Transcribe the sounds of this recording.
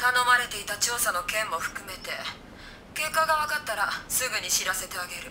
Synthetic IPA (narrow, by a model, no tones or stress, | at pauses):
t̪ano̞maɾe̞t̪e̞it̪at͡ɕo̞ːsano̞kẽ̞mːo̞ɸɯ̟̥kɯ̟me̞t̪e̞ | ke̞kːaɡaβakat̪ːaɾasɨɡɯ̟ɲ̟iɕiɾase̞t̪e̞aɡe̞ɾɯ̟